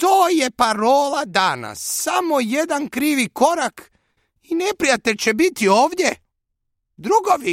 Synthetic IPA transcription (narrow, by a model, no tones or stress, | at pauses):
t̪oːje̞paɾoːlad̪ana̰sːamo̞jed̪ankɾiːʋiko̞ɾak | inepɾijat̪eʎʲt͡ɕe̞bit̪ioːʋd̪je | d̪ɾuɡoʋi